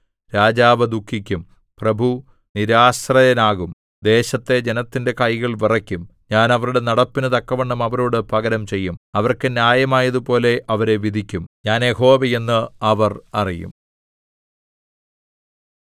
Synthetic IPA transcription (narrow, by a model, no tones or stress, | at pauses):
ɾaːd͡ʑaːʋɐd̪ukʰːikʲːum | prɐbʱu | niɾaːsrɐjɐnaːɣum | d̪e̞ːɕɐt̪ːe̞d͡ʑe̞nɐt̪ːinde̞kɐjɣɐɭʋirɐkʲːumɲaːnɐʋɐɾuɽe̞nɐɽɐpːinɨt̪ɐkːɐʋeɳːɐmɐʋɐɾuːɽɨpɐɣɐɾɐmt͡ɕe̞jːumɐʋɐrkɨnjaːjɐmaːjɐðupo̞ːle̞ʔɐʋɐɾe̞ʋid̪ʱikʲːumɲaːnjeɦo̞ːʋije̞nːɨɐʋɐrɐrijṵm